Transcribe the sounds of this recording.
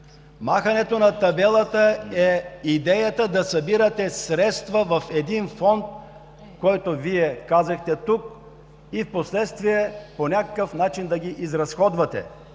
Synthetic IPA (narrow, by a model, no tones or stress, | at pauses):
maxɐnɛt̪onɐt̪ɐbɛlˠət̪əɛid̪ɛjət̪əd̪ɐsɐbiɾət̪ɛsɾɛt̪st̪vəvɐfɛd̪infɔnt̪̚ | kɔjt̪oviɛkazɐxt̪ɛt̪uk̚ | ifposlɛt̪st̪viɛponʲakə̥kəfnat͡ʃind̪ɐɡʲiʔizɾɐsxɔd̪vɐt̪ɛ̰